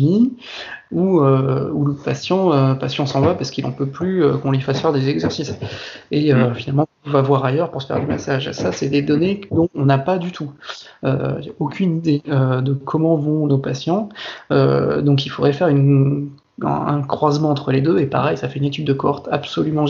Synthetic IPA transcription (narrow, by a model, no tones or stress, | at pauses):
i | uøuləpasjɑ̃øpasjɑ̃sɑ̃vapaʁsə̥kilɑ̰̃pøplyøkɔ̃lifasfɛʁd̪ezɛɡzɛʁsiseøfinalmɑ̃ | vavwaʁajœʁpuʁsə̥fɛʁd̪ymasaʒsasɛd̪ed̪ɔned̪ɔ̃ːnapad̪yt̪ʰuø̰aokʲynid̪eød̪əkʰɔmɑ̃vɔ̃nopasjɑ̃ø̰d̪ɔ̃k̬ilfod̪ʁɛfɛʁyn | ɛ̰̃ɛ̃kχwazmɑ̃ɑ̃t̪χəled̪øepa̰ʁɛjsafɛynet̪yd̪̚ːəkɔʁt̪a̰psɔlymɑ̃